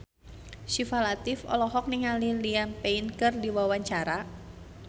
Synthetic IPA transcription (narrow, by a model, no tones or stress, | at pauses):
ʃifalat̪ɪfɔ̰lɔɦɔk̚niŋalilianpeinkɨrdiwawaɲt͡ʃaɾa